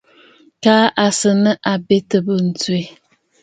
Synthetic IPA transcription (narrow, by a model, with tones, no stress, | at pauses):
kaː˦ʔa˨sɨ˨nə˦ʔa˨be˦tə˨bə˨n̩˨twe˦